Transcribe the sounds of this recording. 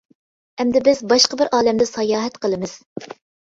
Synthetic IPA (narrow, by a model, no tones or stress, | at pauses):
ɛmd̪ɪbɪzbɑʃqəbɪɾʔɑːlɛmd̪ɛsɑjɑːɦɛt̪qəlˠɨmɨz̥